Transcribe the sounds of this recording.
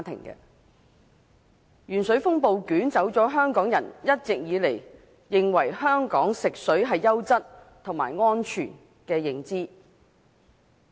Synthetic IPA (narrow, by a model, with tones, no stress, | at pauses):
t̪ʰɪ̰˨˩ŋkɛ̰˧ | jyː˨˩nsɵ˨˥ɥfʊ˥ŋpo˨wkyː˨˥nt͡sɐ˨˥wt͡sɔː˨˥ɦœː˥ŋkɔː˨˥ŋjɐ˨˩njɐ˥t̚t͡sɪ˨k̚jiː˨˧le˨˩j | jɪ˨ŋwɐ˨˩jhœː˥ŋkɔː˨˥ŋsɪ˨k̚sɵ˨˥ɥɦɐ˨jːɐ˥wt͡sɐ˥t̚t̪ʰʊ˨˩ŋma̰ː˨˩jŋɔː˥nt͡ʃʰyː˨˩n | kɛː˧jɪ˨˧ŋt͡siː˥